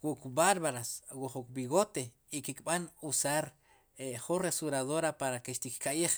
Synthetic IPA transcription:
wukbaɾβaɾaswuχuk̚biɣot̪e | ikikɓanusaɾ | eχunresuɾaðoɾapaɾakeʃt̪ikkaʔiχ

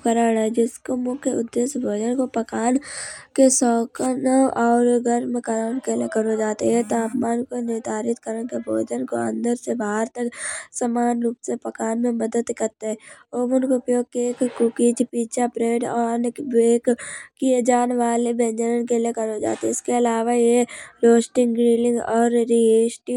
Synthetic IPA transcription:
kəɾaːɽɛd͡ʒɪskomʊkeʊd̪ːeːsbʱoːd͡ʒənkopəkaːnkesɔːkənɔːɾɡəɾmẽkəɾaːnkelekəɾod͡ʒaːt̪eɦɛt̪oaːpmaːnkonɪɾd̪ʱaːɾɪt̪kəɾənkebʱoːd͡ʒənko̰ə̰̃nd̪əɾsebaːɦəɾt̪əksəmaːnɾuːpsepəkaːnmẽməd̪əd̪kɐɾt̪eɦɛoːbənkoʊpjoːɡ̚keekkʊkid͡ʒpiːt͡ʃapɾeːɖɔːnbeːkkied͡ʒaːnʋaːlebẽːnd͡ʒəɾənkeliekɐɾod͡ʒa̰ːt̪eɪskeɐlaːʋajeɾoːsʈɪ̃ŋɡɾiːlɪ̃ŋɡɔːɾːieːsʈi

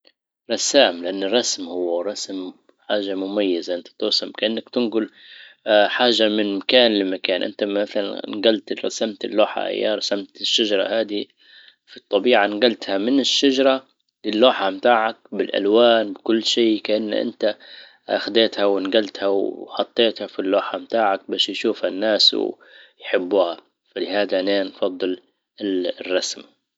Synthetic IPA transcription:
ɾˤɑsaːmlɪʔanːɪrˤːɑsmhʊwːaˤɑsm | ħaːʒamʊmajːɪzaʔɪnt̪ḁt̪ʊɾsamkaʔɪnːakt̪ɪnɡʊl | ħaːʒːamɪnmakaːnlɪmakaːnʔɪ̰nt̪amaθala̰nnɡalt̪ɾˤɑ̰samt̪ɪlːoːħa̰ʔa̰jːa̰ɾˤɑsamt̪ɪʃːaʒɾˤɑ̰haːd̪i | fit̪ˤːɑbiːʕanɡalt̪hamɪnɪʃːad͡ʒɾˤɑ | lɪlːoːħamt̪aːʕak̚bɪlʔa̰lwaːnbɪkʊlːʃiːkaʔanːʔɪ̰nt̪a | ʔa̰xd̪eːt̪hawɪnɡalt̪hawħɑt̪ˤːeːt̪hafilːoːħamt̪aːʕak̚baːʃjʃuːfhanːaːsw̰ | jħɪbːuːha | falɪhaːd̪aneːnfɑd̪ˤːɨl | ɪrˤːɑsm

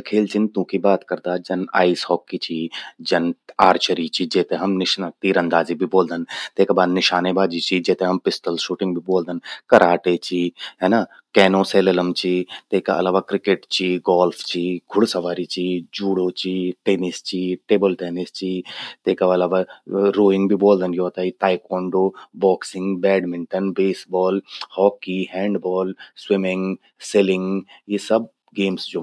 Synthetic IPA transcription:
kʰeːlt͡ʃɪnt̪ũːkibaːt̪kɐɾd̪aːd͡ʒɐna̰ːisɦɔːkːit͡ʃʰiːd͡ʒɐnaːɾt͡ʃəɾit͡ʃid͡ʒeːt̪ẽɦɐmnɪʃnat̪iːɾə̃nd̪aːzibʱiboːld̪ənt̪eːkabaːd̪nɪʃaːnebaːd͡ʒit͡ʃid͡ʒɛːt̪ẽɦɐmpɪsʈəlʃuːʈɪ̃ŋɡ̚bʱiboːld̪ənkɐɾʔaːʈet͡ʃiːɦɛːna | kɛːnõseːleləmt͡ʃiːt̪eːkaʔɐ̰laːʋaːkɾɪkeːʈt͡ʃiːɡɔːlpʰt͡ʃiːɡʱʊɽsɐʋaːɾit͡ʃʰiːd͡ʒuːɽot͡ʃʰiːʈeːnist͡ʃʰiʈeːbəlʈeːnɪst͡ʃʰit̪eːkaʋɐlaːʋaɾoːɪ̃ŋɡbʱiboːld̪ənjoːt̪ait̪aːjkɔːɳɖoːbɔːksɪ̃ŋɡbɛːɖmɪɳʈənbeːsbɔːlhɔːkiːhɛ̃ːɳɖbɔːlswɪmɪ̃ŋɡ | selɪŋɡjisɐb̚ | ɡeːmsd͡ʒoː

